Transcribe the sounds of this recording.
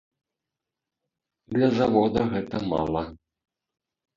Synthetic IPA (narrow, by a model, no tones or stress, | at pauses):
d̪lʲɐzavɔd̪ɐɣɛt̪ɐma̰lˠɐ